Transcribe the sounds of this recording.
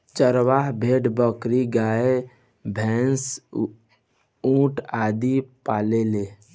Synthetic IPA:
t͡ʃəɾʋaɦbʱeːʈbəkɾiɡaːe | bʱɛːns | ũːʈaːd̪ipaːleleː

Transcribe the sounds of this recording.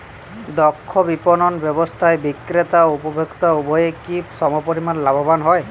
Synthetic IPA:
d̪ɔkʰːɔbipɔnɔnbjɔbɔst̪ʰaebikɾet̪aupɔbʱekt̪aubʱɔjekipsɔmɔpɔɾimanlabʱɔbanɦɔj

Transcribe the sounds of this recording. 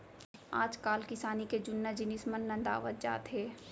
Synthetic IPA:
a̰ːd͡ʒkaːlkɪsaːniked͡ʒʊnːad͡ʒɪnɪsmənːɐ̃nd̪a̰ːʋət̪̚d͡ʒa̰ːt̪ɦeː

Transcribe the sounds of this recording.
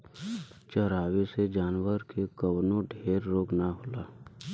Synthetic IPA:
t͡ʃəɾaːʋesed͡ʒaːnʋəɾkʰekəwnõɖʱeːɾːoːknaɦoːlaː

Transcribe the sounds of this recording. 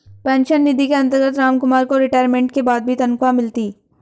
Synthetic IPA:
pɛ̃ːnʃənːɪd̪ʱikeɐ̃nt̪əɾɡət̪ɾaːmkʊmaːɾkoɾɪʈaːɪɾmẽːɳʈkebaːd̪̚bʱit̪ɐnkamɪlt̪iː

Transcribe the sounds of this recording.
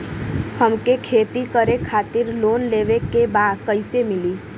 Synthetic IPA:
həmkekʰeːt̪ikəɾekʰaːt̪ɪɾloːnleʋekebad̪kəɪsemɪliː

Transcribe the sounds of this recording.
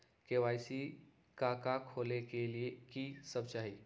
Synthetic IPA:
keʋajsi | kakakʰolekeliekiːsəbt͡ɕaɦi

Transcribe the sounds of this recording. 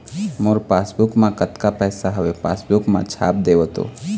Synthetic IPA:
moːɾpaːsbʊkmãkət̪kapɛːsaɦəʋepa̰ːsbʊkmã̰t͡ʃʰa̰ːp̚d̪eʋot̪o̰

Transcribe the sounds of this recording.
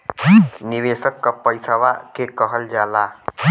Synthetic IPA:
niʋesəkːapəjsawakekəɦəld͡ʒala

